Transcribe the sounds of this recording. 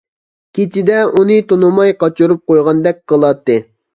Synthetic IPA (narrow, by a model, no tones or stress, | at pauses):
kʲʰet͡ʃʰid̪ɛʔunɨt̪onumɑjqɑt͡ʃʰuɾup̚qojʁɑnd̪ɛk̚ʲqəlˠɑt̪ːɨ